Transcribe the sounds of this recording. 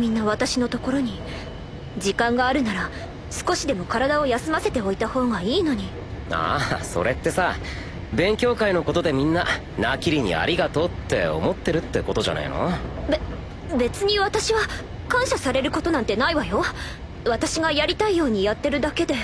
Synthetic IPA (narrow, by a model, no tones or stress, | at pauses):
mʲĩnːaβat̪aɕino̞t̪o̞ko̞ɾo̞ɲ̟i | d͡ʑikãŋɡaːɾɯ̟naɾa | sɨ̥ko̞ɕid̪e̞mo̞kaɾad̪ao̞jasɨmase̞t̪e̞o̞it̪aho̞ːɡaiːno̞ɲ̟i | a̰so̞̰ɾe̞t̪ːe̞sa | bẽ̞ŋkʲo̞ːkaino̞ko̞t̪o̞d̪e̞mʲĩnːa | nakʲiɾʲiɲ̟ḭa̰ɾʲiɡat̪o̞ːt̪ːe̞o̰mo̞t̪ːe̞ɾɯ̟t̪ːe̞ko̞t̪o̞ʑa̰na̰ḭno̞̰be | be̞t͡sɨɲ̟iβat̪aɕiβa | kãɰ̃ɕasaɾe̞ɾɯ̟ko̞t̪o̞nãnt̪e̞naiβajo̞ | βat̪aɕiɡajaɾʲit̪aijo̞ːɲ̟ijat̪ːe̞ɾɯ̟d̪ake̞d̪e̞